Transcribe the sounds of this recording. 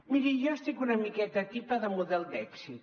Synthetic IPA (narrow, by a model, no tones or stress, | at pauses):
miɾiʒɔst̪ikunɐmikɛt̪ɐt̪ipəðəmuðɛlˠd̪ɛksit̪